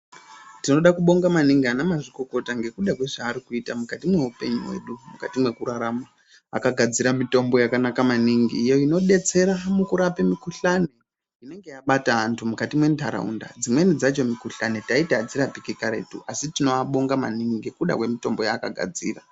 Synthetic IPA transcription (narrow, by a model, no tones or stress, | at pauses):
tino̞ɗakuɓo̞ŋɡamaniŋɡianamaʐiko̞ko̞taŋɡe̞kuɗakwe̞ʐaːɾikuitamukatimwe̞upe̞ɲuwe̞̰ɗumukatimwe̞kuɾaɾama | a̰kaɡʱad͡ziɾamito̞mbo̞jakanakamaniŋɡiːjo̞ino̞ɗe̞t͡se̞ɾamukuɾapemikuɬane | ine̞ŋɡe̞jaɓataɦantʰumukatimwe̞ndʱaɾa̰ṵnda̰d͡zimwe̞nid͡zat͡ʃo̞mikuɬane̞taitaːd͡ziɾapikikaɾe̞̰tṵʔasitino̞aɓo̞ŋɡama̰niŋɡikuɗa̰kwe̞mito̞mbo̞jaːkaɡʱa̰d͡zḭːra